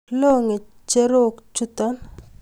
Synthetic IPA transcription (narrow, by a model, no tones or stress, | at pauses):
loŋe | t͡ʃeɾokt͡ʃut̪an